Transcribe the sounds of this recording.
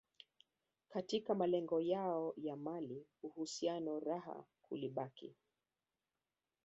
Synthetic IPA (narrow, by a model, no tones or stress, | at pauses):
katikamalɛŋɡɔjaɔjamaliuhusianɔɾaɦa̰ | hṵliɓakḭ